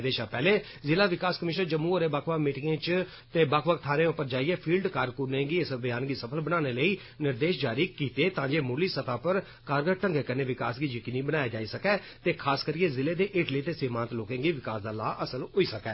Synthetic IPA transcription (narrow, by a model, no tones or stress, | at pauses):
d̪eːʃãːpɛːleː | zɪlaːʋɪkaːskəmɪʃnəɾd͡ʒəmũːəɾeːbakʰʋəkmiːʈɪŋẽːt͡ʃ | t̪eːbakʰʋəkt̪ʰaːnẽːʊpəɾd͡ʒaːiːɛːpʰiːlɖkaːɾkʊɾnẽːɡiːɪsbɪjaːnɡiːsəpʰəlbənãːneːləiː | nɪɾd̪eːʃd͡ʒaːɾiːkiːt̪eːt̪ãːd͡ʒeːmʊːliːsət̪aːpəɾ | kaːɾɡəʈəŋɡeːkəɾneːʋɪkaːsɡiːd͡ʒiːkɪnĩːbənaːjaːd͡ʒaːiːsəkɛː | t̪eːkʰaːskəɾiːeːzɪleːd̪eːʔɪːʈliːt̪eːsɪmãːnt̪loːkẽːɡiːʋɪkaːsd̪aːlaːʔəsəlɦoːiːsəkɛ̰ː